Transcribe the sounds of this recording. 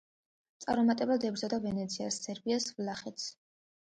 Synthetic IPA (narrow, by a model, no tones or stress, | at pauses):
t̪sʼa̰ɾmɔmat̪ʼɛbad̪ɛbɾzad̪avɛnɛt̪sʰiasːɛɾbiasvlaχɛt̪s